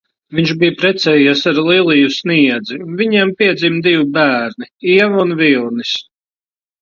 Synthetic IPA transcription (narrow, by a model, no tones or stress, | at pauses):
viɲʃbijpɾɛt̪sɛjisaɾlˠilˠijusniɛd̪zinviɲiɛmpiɛd̪ziːmd̪ivbæːɾniiɛvunvilˠnis